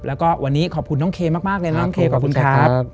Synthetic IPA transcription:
p̚lʔɛː˦˥wkɔː˥˩wʔa˧nːiː˦˥kʰɔː˨˩kʰu˧nːɔː˥˩ŋkʰeː˧maː˥˩k̚maː˥˩k̚lɤː˧na˦˥nɔ˥˩ŋkʰeː˧kɔː˨˩p̚kʰu˧nkʰaː˦˥

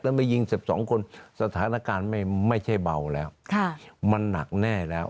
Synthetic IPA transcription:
lɛː˦˧˥ma˧˥˩ji˧ŋsi˨˩p̚sɔ̰ː˨˩˦ŋkʰo˧nsa˧t̪ʰaː˩˦˥naː˧kaː˧nma˥˩jma˥˩jt͡ɕʰa˥˩jba˧wlɛː˦˥wkʰa˧˩ma˧nːa̰˨˩k̚nɛː˥˩lɛː˦˥w

